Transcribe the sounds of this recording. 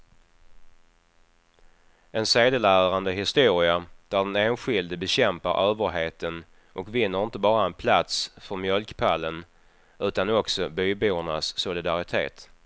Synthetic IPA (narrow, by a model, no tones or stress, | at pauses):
ɛnseːd̪əlæːɾand̪əɦɪst̪uːɾɪad̪̥æɖɛneːnɧɪld̪bɛɕɛmpa̰ɾʔøːvəɾɦeːt̪ən | ʔɔkvɪnːəɾɪnt̪əbɑːɾaɛnpʰlat̪sfœɾmjœlkpʰalːən | ʉ̟ːt̪anɔksɔbyːbuːəɳa̰sːʊlɪd̪aɾɪt̪ʰḛːt̪